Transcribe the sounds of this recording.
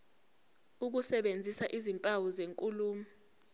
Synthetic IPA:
uk̬usɛɓend͡zʱisaʔizimpʼawɔzeŋkʼuluːmi

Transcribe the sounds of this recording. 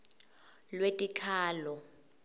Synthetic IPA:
lwetʼikʰaːlɔ

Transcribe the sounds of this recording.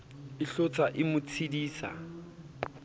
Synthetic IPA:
ɪɬot͡sʰʼaʔɪmʊt͡sʰidiːsa̰

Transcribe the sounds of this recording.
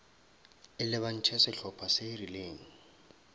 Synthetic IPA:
ɪlɪβan̩t͡ʃʰɛsɪɬʰɔpʰaserileːŋ̩

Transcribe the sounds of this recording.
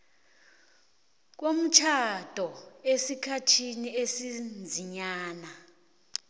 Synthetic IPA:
k̬om̩t͡ʃʰad̥ʱɔesikʰatʰiniesind͡zʱiɲaːna

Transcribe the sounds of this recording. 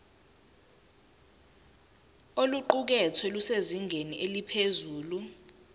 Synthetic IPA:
oluǃuk̬ɛt͡sʰwɛluseziŋʱeniʔelipʰezuːlu

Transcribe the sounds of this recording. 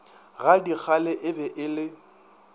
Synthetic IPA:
ɣadik͡xʰalɛʔɪbɛʔɪlɪ

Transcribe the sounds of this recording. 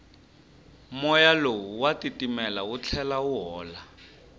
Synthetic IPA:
mɔjalowuwatitimɛlaut͡ɬʰɛlauɦɔːla

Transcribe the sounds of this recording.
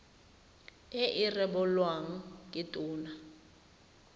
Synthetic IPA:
ɪʔɪrɛɓʊlwaŋ̩kʼɪtʼʊːna

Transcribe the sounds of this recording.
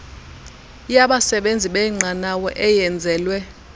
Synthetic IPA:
jaɓasɛɓend͡zʱiɓɛŋ͡ǀʱanawɔʔɛjɛnd͡zʱɛːlwɛ

